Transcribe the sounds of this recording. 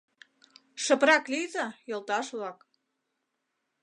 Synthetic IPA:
ʃə̆pɾɑklizə̆jɤ̆lˠt̪ɑʃβlɑk

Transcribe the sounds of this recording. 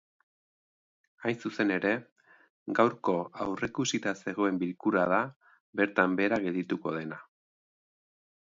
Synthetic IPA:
ajnsuse̞ne̞ɾe̞ | ɡawɾko̞awre̞kusit̪ase̞ɣ̞o̞e̞mbilkuɾað̞a | be̞ɾt̪ambe̞ɾaɣe̞ld̪it̪uko̞ð̞e̞na

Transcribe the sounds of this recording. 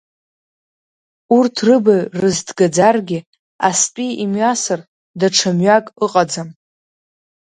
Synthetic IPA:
urtʰrɨbarɨzdɡad͡zarɡʲɪ | a̰spʼiimɥasar | daʈ͡ʂʰamɥakʼɨqʼad͡zam

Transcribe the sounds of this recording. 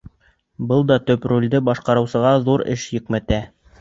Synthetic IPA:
bɤlˠd̪ɑt̪ɵpɾulʲd̪ɘbɑʃqɑɾɤ̆wsɤ̆ʁɑðuɾɘ̰ʃjɵ̆kmæt̪æ

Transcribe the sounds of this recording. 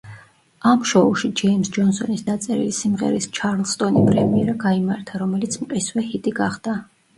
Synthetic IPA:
amʃɔuʃid͡ʒɛjmsd͡ʒɔnsɔnisd̪at̪sʼɛɾḭlisimʁɛ̰ɾist͡ʃʰaɾlˠst̪ʼɔnipʼɾɛmiɛɾaɡaimaɾt̪ʰaɾɔmɛlit̪sʰmqʼiswɛhit̪ʼiɡaχd̪̥a

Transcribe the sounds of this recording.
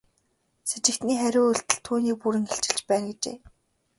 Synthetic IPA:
set͡ɕɪ̆kt̪niːχæɾʲʊːɵɬt̪ɘ̆ɮt̪ʰːuːniːk̚puɾɘ̆ŋxeɬt͡ɕɪ̆ɬt͡ɕpæːnɡet͡ɕḛː

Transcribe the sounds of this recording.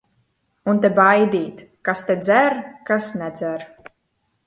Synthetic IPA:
unt̪̬ebajd̪iːt̪kast̪ed̪zæɾkasnɛd̪zæɾ

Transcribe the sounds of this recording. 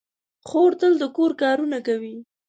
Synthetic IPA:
xoɾt̪əld̪əkoɾkɑɾunakawi

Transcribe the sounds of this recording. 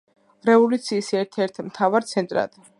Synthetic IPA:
ɾɛvɔlut̪sʰiːsɛɾt̪ʰɛɾt̪ʰmt̪ʰavaɾt̪sʰɛnt̪ʼɾa̰d̪̥

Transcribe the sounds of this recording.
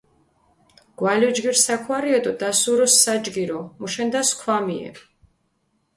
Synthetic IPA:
ɡ̥walɛd͡ʒɡiɾsakʰwaɾiɛt̪ʼɔd̪asuɾɔsːad͡ʒɡiɾɔmuʃɛnd̪askʰwamiɛ̰

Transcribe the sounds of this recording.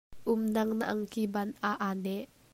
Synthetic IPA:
ʔumnaŋna̰ʔaŋkibanaʔane

